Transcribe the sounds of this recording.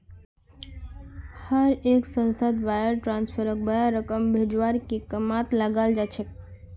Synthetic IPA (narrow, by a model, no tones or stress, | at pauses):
həɾeksə̃nst̪ʰəd̪bajəɾʈɾanspʰəɾək̚bəjaɾəkəmbʱed͡ʒwaɾkekəmat̪ləɡald͡ʒat͡ʃʰɛk